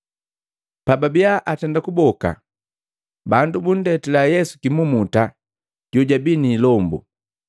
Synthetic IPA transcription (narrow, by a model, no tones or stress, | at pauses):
pababiaʔatɛndakubɔka̰ | bandubun̩dɛtɛlajɛsu̥kimumuta | ɟ̥ɔɟabiniːlɔmbṵ